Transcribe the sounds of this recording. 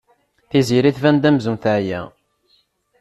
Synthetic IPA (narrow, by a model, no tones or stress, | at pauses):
θiziɾiθvænd̪æmzunθæʕjæ̰